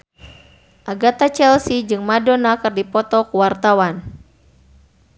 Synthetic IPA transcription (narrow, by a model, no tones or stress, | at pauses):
ʔaɡat̪at͡ʃɛlsid͡ʒɨŋmadɔnakɨrdipɔt̪ɔkuwart̪awan